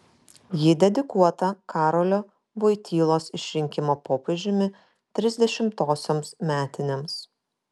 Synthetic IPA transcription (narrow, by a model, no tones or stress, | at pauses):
jid̪ʲɛd̪ʲɪkuɔt̪ɐkʰɑːɾɔlʲoː | ʋoɪt̪ʲiːlˠoːsɪʃʲɾʲɪŋʲkʲɪmoːpoːpʲeʒʲɪmʲɪ | t̪ʲɾʲɪzʲd̪ʲɛʃʲɪmt̪oːsʲoːmsmʲæːt̪ʲɪnʲems